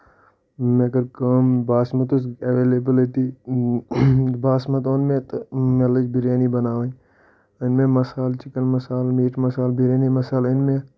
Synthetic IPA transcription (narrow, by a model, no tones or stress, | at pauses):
mẽɡəɾkaːmbaːsmɐt̪usɐʋeːleːbəlet̪iː | baːsmɐt̪̬oːnmẽt̪meləd͡ʒbʱɪɾeːnibɐnaːʋẽ | ɪnmẽmɐsaːlt͡ʃɪkənmɐsaːlmiːʈmɐsaːlbiɾeːnimɐsaːlɪnmẽ